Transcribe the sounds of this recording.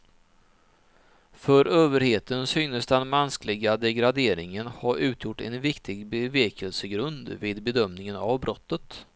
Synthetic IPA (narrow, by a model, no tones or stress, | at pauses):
fœɾøːvəɾheːt̪ənsʏːŋnəsd̪ɛnmɛnsklɪɡad̪ɛɡɾad̪eːɾɪŋənhaɾʉ̟ːt̪ʰjʊʈːɛ̰nvɪkt̪ʰɪɡbɛveːkəlsəɡɾɵnd̪vɪːd̪bɛd̪œmnɪŋəna̰vbɾɔt̪ːət̪